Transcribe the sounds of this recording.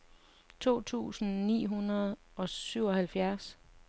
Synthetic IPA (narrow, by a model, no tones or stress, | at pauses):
t͡sʰo̝̰ːt͡sʰṵːsn̩nḭːɦunɐð̩ˠ | ɒ̽syʊ̰ɒ̽hælfjæɐs